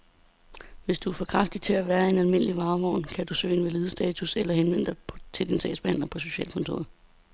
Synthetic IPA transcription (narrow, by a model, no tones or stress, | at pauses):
ʋe̝sd̥uæfɒ̽kʰʁɑ̈fd̥i̥t͡sʰe̝æʋæːɐe̝nælme̝n̰liʋɑ̈ːʋɒʊ̰nkʰæd̥usø̰ːnʋeleːð̞ˠəsd̥ɛ̰ːt͡sʰuselɐhenʋen̰d̥ɑpʰt͡sʰe̝ld̥insɛ̰ːsb̥ehæn̰lɐpʰɒ̽so̝ɕɛ̰ːlkʰɔ̽nt͡sʰo̝̰ːɐðˠ